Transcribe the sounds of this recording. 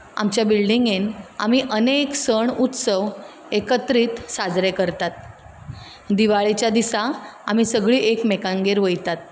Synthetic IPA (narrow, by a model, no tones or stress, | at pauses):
a̰mt͡ɕjabilɖiŋɡena̰miːʔəneksəɳut̪səʋ | ekət̪ɾiːt̪sad͡zɾekəɾt̪at̪̚ | d̪iʋaɭit͡ɕjad̪isaamiːsəɡɭiːʔekmekaŋɡeɾʋəjt̪at̪̚